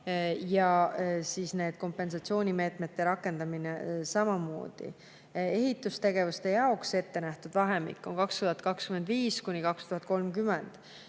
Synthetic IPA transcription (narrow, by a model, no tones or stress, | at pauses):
jɑsiːsne̞ːd̪̥̚ko̞mpːˑe̞nsɑt̪sio̞ːnʲime̞ːt̪ˑme̞t̪ːe̞ɾɑkˑːe̞nd̪̥ɑminesɑmɑmo̞̰ːd̪̥ḭ | e̞ɦit̪ːˑust̪e̞ɡ̥e̞vust̪e̞jɑo̞kse̞t̪ːe̞næht̪ud̪̥vɑɦemḭkːˑo̞nkɑkst̪uhɑt̪kɑkskymend̪viːskunʲikɑkst̪uɦɑt̪̚ˑko̞lmkymend̪̥